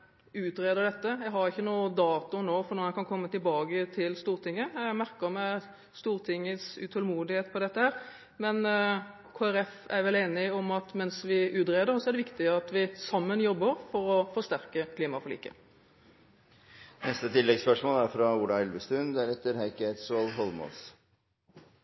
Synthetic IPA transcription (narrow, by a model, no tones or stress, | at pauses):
ʉːt̪ɾeːd̪əɾɖ̪ɛt̪ːəjɛɡɦɑɾɪçːənuːəd̪ɑːt̪ʊnoːfɔnuːɛnkʰɑnkʰɔmːət̪ɪlbɑːɡət̪ʰɪlst̪uːɾt̪ʰɪŋːəæmæɾkəɾmɛ | st̪uːɾt̪ʰɪŋːəsʉ̰t̪ʰɔlmuːd̪ɪheːt̪pʰɔd̪ɛt̪ːəhæːɾ | mɛn | kʰoːæɾɛfæɾʋɛleːnɪɔmɑt̪mɛnsʋɪʔʉːt̪ɾeːd̪əɾɔsɔɛɾɖ̪ɛʋɪkt̪ɪəɑt̪ʋɪsɑmːənjɔbːəɾfɔɾɔfɔst̪æɾkəkʰliːmɑfɔɭḭːkə̰ | nɛst̪ət̪ʰɪlːɛɡspœʂmoːlæɾfɾɑuːɖ̪ɑɛlʋəst̪ʉnd̪æɾɛt̪ːəɾhæɪkæɪt̪sɔɑlɦɔlmɔ̰ls